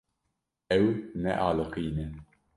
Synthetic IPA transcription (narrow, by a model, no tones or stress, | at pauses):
ɛwnɛ̰ʔɑːlɨqijnɛ